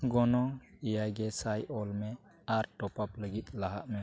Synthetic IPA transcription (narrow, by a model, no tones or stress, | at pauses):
ɡɔnɔŋijajɡɛsajʔɔlmɛ | aɾʈɔpapləɡit̪̚laɦa̰ʔmɛ